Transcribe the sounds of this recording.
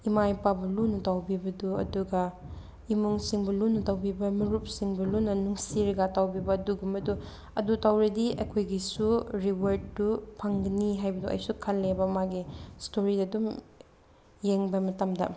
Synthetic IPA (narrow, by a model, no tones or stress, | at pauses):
imajpabɐlunutawbibɐduɐ̰duɡɐ | imuŋsiŋbɐlunɐtawbibɐmiɾup̚siŋbɐlunːɐnuŋsiɾɐɡatawbibɐːduɡumɐdu | ɐ̰dutawɾɐdiʔɐkʰojɡisuɾiwɐɾd̚ːupʰɐŋɡɐniɦajbɐduʔɐ̰jsukʰɐlːebɐɐmaɡistoɾidɐɐdum | jeŋbɐmɐtɐmdɐ̰